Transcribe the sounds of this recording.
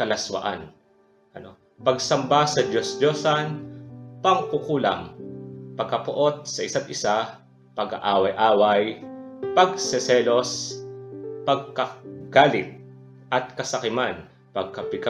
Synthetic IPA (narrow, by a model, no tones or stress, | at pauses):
kɐlɐswɐ̰ʔan | ʔɐno | pɐɡ̚sɐmbasɐd͡ʒosd͡ʒosɐnpɐŋkʊkuːla̰ŋpɐɡ̚kɐpoʔo̞t̪̚sɐʔɪsat̪ʔɪsa | pɐɡɐ̰ʔaːwɐjʔaːwajpɐɡsɛsɛːlos | pɐɡ̚kɐɡ̥aːlɪt̪̚ | ʔɐt̪̚kɐsɐkɪman | pɐɡ̚kɐpɪka